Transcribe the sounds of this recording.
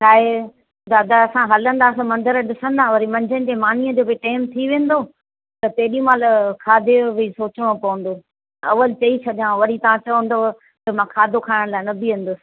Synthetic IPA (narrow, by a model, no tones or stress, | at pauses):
t͡ʃʰaːɦe | d̪aːd̪aɐsãɦɐlə̃nd̪aːsɐmɐ̃nd̪əɾɗɪsə̃nd̪aːʋɐɾimɐ̃ɲd͡ʑʱənɪ̆d͡ʑeːmaːnijəd͡ʑoːbɪʈaːɪmt̪ʰiʋẽːnd̪o | t̪ɐt̪eːɗijũmãləkʰaːd̪ʱeʋisoːt͡ɕəɽ̃õpɐʋə̃n̆d̪oː | ɐʋəlt͡ɕɐit͡ɕʰɐɗijãʋɐɾit̪ɐʋãt͡ɕɐʋə̃nd̪o | t̪ɐmãːkʰaːd̪ʱokʰaːɪɽ̃laːɪnɐbʱiʋẽːn̆d̪ʊsɪ̥̆